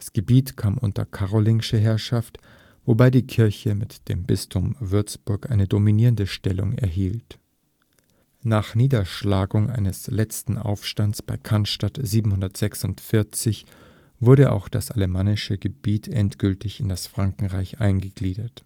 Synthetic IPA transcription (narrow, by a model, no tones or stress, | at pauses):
d̥asɡ̥əbiːtkʰaːmʔʊ̰ntɐ̰kʰaʁolɪŋɪʃəɦɛɐʃaft | vobaɪdiːkʰɪɐçəmɪtd̥ḛːmbɪstʰʊmvʏɐt͡sb̥ʊɐkʔaɪnədominiːʁəndəʃtɛlʊ̰ŋɛ̰ɐɦiːlt | naːχniːdɐʃlaːɡʊŋʔa̰ɪnəslɛt͡stn̩ʔa̰ʊfʃtansb̥aɪkʰanʃtatz̥iːbm̩hʊndɐtz̥ɛksʊntfɪɐt͡sɪç | v̥ʊɐɾəʔa̰ʊxd̥a̰sʔaləmaːnɪʃəɡəb̥iːtʰʔɛ̰ntɡ̥ʏltɪçɪndasfʁ̥aŋkŋ̩ʁaɪçʔa̰ɪnɡəɡliːdɐt